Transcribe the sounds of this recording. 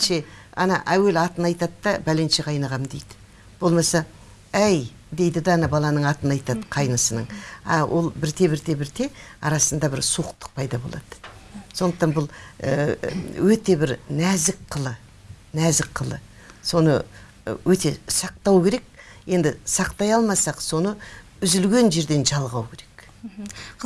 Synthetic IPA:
ʃe̞ɑ̰nɑ̰ʔæwe̞lɑt̪ənɑjt̪ɑd̪d̪ɑbælenʃeqʰɑjnɑʁɑmd̪e̞jd̪ɪ̥ | b̥o̞lˠmɑsɑ | æj | d̪e̞jd̪ɪd̪ɑɑnɑbɑlˠɑnəɴɑt̪ənɑjt̪ɑd̪əqʰɑjnəsənəɴɑ̰wʔo̞̰lˠbɪɾt̪ʰe̞bɪɾt̪ʰe̞bɪɾt̪ʰe̞ɑ̰ɾɑsənd̪ɑbɪɾsuqt̪ə̥q̚pʰɑjd̪ɑbo̞lˠɑ̰d̪̥əso̞nd̪əqt̪ɑnbʊlˠəwɵt̪e̞bɪɾnæzɪkqʰːəlˠə | næzɪkqʰːəlˠə̰ | so̞nə̰ | wɵt̪e̞sɑq̚t̪ɑwkʲʰe̞ɾe̞k̚je̞nd̪ɪsɑqt̪ɑjɑlˠmɑsɑqso̞nə | ʏzɪlɡʲe̞nʒe̞ɾd̪e̞nʒɑlˠʁɑwkʲʰe̞ɾe̞k

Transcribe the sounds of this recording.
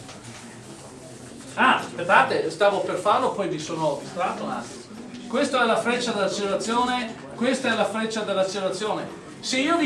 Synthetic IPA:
aperd̪aːt̪est̪aːvoperfarlopɔjvisoːnost̪ɾat̪ona̰ | kwest̪oɛlafɾet͡ʃːad̪elːat͡ʃeleɾat̪sːjoːne | kwest̪aɛlafɾet͡ʃːad̪elːat͡ʃeleɾat̪sːjoːne | seiːovi

